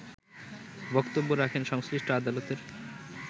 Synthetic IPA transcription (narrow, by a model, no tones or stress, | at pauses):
bɔkt̪obːoɾakʰenʃɔŋsɾiʃʈoad̪alot̪eɾ